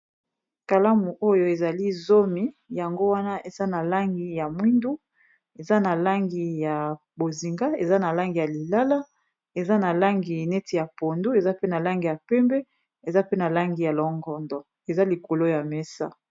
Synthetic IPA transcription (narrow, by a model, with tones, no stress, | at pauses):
ka˨la˦mu˨ʔo˦jo˦e˨za˨li˦zo˦mi˦ | ja˨ŋɡo˦wa˦na˦ʔe˨z̥a˦na˨la˦ŋɡi˨ja˨mwi˦ndu˦ | e˨za˦na˨la˦ŋɡi˨ja˨ | bo˨zi˨ŋɡa˦e˨za˦na˨la˦ŋɡi˨ja˨li˨la˦la˦ | e˨za˦na˨la˦ŋɡi˨nɛ˦ti˨ja˨po˨ndu˦e˨za˦pe˦na˨la˦ŋɡi˨ja˨pɛ˦mbɛ˦ | e˨za˦pe˦na˨la˦ŋɡi˨ja˨lɔ˨ŋɡɔ˨ndɔ˨ | e˨za˦li˨ko˨lo˦ja˨me˦sa̰˦